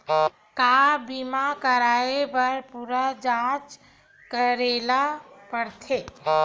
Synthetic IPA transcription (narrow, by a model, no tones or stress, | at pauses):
kabimakəɾaːepəɾpuɾad͡ʒãt͡ʃ | kəɾelapəɾt̪ʰe